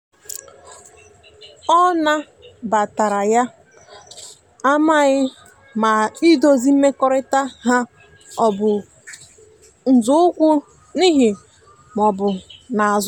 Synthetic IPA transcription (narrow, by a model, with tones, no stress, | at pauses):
ɔ˦na˦ | ba˨ta˨ɾa˨ja˦ | a˦ma˦ɣɪ˦ | ma˨i˦do˦zi˦m̩˦me˦kɔ˦ɾɪ˦ta˦ɦa˦ | ɔ˨bʊ˨ | n̩˨zʊ˦ʊ˦kʷʊ˦ | ni˦ɦɪ˨ | m˨ɔ˨bʊ˨na˨a˨z